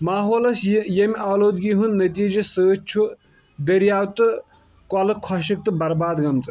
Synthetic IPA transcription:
maːɦoːlɐsjɐmʲaːloːd̪ɡiːɦunnɐt̪iːd͡ʒɐsəːt͡ʃʰu | d̪ɐɾjaːwt̪ɨ | kɔlɨkʰɔʃik̚t̪ɨbɐɾbaːd̪ɡɐmt̪ɨ

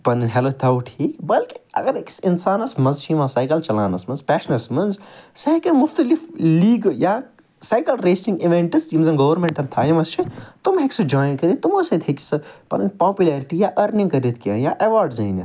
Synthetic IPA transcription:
pɐnɐnʲɦelɐt̪ʰɐwʈiːbɐlkiɐ̰ɡɐɾeki̥sinsaːnɐsmɐnzt͡ʃʰiʋãsaːjkɐlt͡ʃɐla̰ːnɐsmɐnzpɛːʃnɐsmɐnzsaːjkɐlmʊft̪ɐlifliːɡjaː | saːjkɐlɾeːsĩŋɡiʋẽɳʈɨstimzɐnɡɐːʋɐɾmẽɳʈɐnt̪ʰaːjimɐst͡ʃʰit̪umɦekʲsɨd͡ʒɔːjnkɐɾit̪umɐsɐt̪ʰeki̥sɨpɐ̰nɐnpaːpjulaːɾiʈijaːʔɐɾnĩŋɡkɐɾit̪ʰkiɐ̰jaːʔɐʋaːɾɖzɐ̰ːnɐ

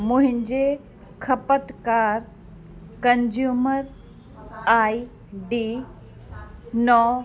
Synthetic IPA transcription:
mʊ̃ɦɪ̃ɲd͡ʑe | kʰɐpət̪kaːɾ | kɐ̃ɲd͡ʑjuːməɾ | aːi | ɖiː | nɔː

